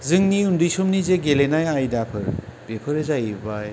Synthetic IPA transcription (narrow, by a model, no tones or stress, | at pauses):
zɯŋniundɯjsomnizeɡelenajajdapʰɯɾb̥epʰɯɾezajibaj